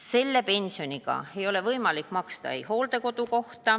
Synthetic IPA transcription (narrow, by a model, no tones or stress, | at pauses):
se̞lːe̞pe̞nʲsio̞niɡ̥ɑ̰e̞jo̞le̞vɤjmɑlikːˑmɑkst̪ɑ̰ḛjho̞ːld̪̥e̞ko̞d̪̥uko̞ht̪ɑ